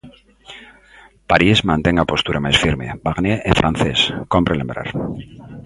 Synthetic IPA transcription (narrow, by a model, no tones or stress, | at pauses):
paɾizmãnt̪eŋɡapo̞st̪uɾʔamajsfiɾmḛbaɣneʔefɾʔanθe̞skompɾelembɾa̰ɾ